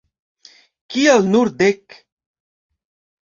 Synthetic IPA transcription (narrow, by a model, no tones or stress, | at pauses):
kialnuɾd̪ek